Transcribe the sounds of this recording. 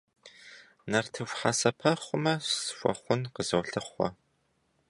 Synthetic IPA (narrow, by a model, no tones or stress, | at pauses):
nɐrtʰɨfʷħasɐpʰɐχʷʊmɐsfʷɔ̰χʷʊnqəzɐwɬɨχʷɔ̰